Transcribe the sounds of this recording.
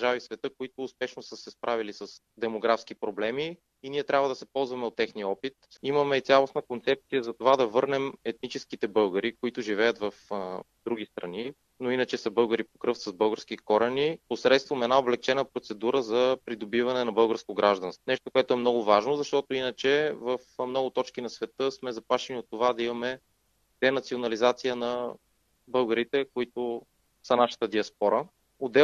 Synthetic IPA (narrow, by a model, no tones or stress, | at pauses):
d̪əɾʒavisvɛt̪ɤkoit̪ʊːspɛʃnosəsɛspɾavilisɐs | d̪ɛmoɡɾafsk̟ipɾoblɛmi | iniɛt̪ɾʲabvəd̪ɐsɛpɔlˠzvɐmɛot̪ːɛxniɔpit̪imɐmɛt̪sʲalˠosnəkont̪sɛp̚t̪sijəzɐt̪ovad̪ɐvɤɾnɛmɛt̪̚nit͡ʃɛskit̪ɛbɤlˠɡəɾikoit̪ʊʒivɛjət̪vɐfd̪̥ɾuɡ̟ist̪ɾɐ̰ni | noinɐt͡ʃɛsɐbɤlˠɡəɾipokɾɤft̪ɐzbɤlˠɡəɾskikɔɾɐniposɾɛt̪st̪vɐmɛd̪naoblɛk̚t͡ʃɛnəpɾot̪sɛd̪uɾəzɐpɾid̪obivɐnɛnɐbɤlˠɡəɾskoɡɾʔaʒd̪ɐnst̪onɛʃt̪okoɛt̪oɛmnɔɡʊvaʒnozɐʃt̪ɔt̪ʊinət͡ʃɛvəfmnɔɡʊt̪ɔt͡ʃk̟inɐsvɛt̪ɤsmɛzɐplaʃɛniot̪ːovad̪ɐimɐmɛ | d̪̥ɛnɐt̪sionɐlizat̪sijənɐ | bɤlˠɡəɾit̪ɛkoit̪ʊ | sɐnaʃə̥t̪əd̪iɐspɔɾə | od̪ɛ